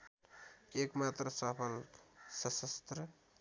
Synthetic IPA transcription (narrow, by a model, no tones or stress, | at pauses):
ekmat̪ɾəsəpʰəlsʌsəst̪ɾə